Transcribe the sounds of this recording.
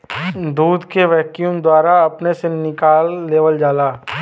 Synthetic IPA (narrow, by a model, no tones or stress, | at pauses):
d̪uːd̪keʋɛːkjũmd̪waːɾaɐpnesenɪkaːlːeːʋəld͡ʒaːlaː